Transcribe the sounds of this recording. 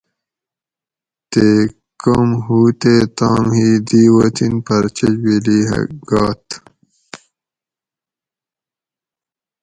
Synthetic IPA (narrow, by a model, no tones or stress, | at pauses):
t̪e | kɐmɦuːt̪eːt̪aːmhiːd̪iːwɐt̪ʰinpɐɾt͡ɕɐd͡ʑwiliːɦɐ̰ɡɑːt̪